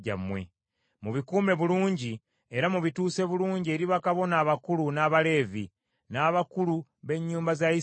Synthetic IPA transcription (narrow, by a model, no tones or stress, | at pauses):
a̰mwe̞̰ | muβikuːme̞βuluːɲɟi | eɾamuβituːse̞βuluːɲɟie̞ɾiβakaβo̞naːβakulunaːβale̞ːvḭ | naːβakuluβe̞ɲːuːmbazaji